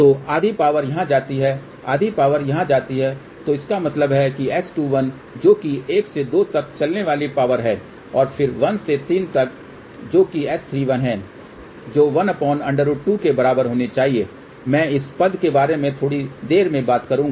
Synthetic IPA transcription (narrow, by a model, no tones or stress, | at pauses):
t̪oːaːd̪ʱipaːʋəɾjɐɦãd͡ʒaːt̪iɦɛ | a̰ːd̪ʱipaːʋəɾjɐɦãd͡ʒaːt̪iɦɛ | t̪oɪskamɐt̪ləbɦɛkiɛːsʈuːʋɐn | d͡ʒoːkieːksed̪oːt̪ɐk̚t͡ʃɐlneʋaːlipaːʋəɾɦɛː | ɔːɾfʰɪɾʋɐnset̪iːnt̪ɐk̚ | d͡ʒoːkiɛːst̪ʰɾiːʋɐnɦɛ̃ː | d͡ʒoːʋɐnɐpɔːnɐ̃ɳɖəɾʊʈukebɐɾaːbəɾɦoːnet͡ʃaːɦieː | mɛ̃ːɪspɐd̪kebaːɾemẽt̪ʰoːɽid̪eːɾmẽbaːt̪kɐɾũːŋɡaaː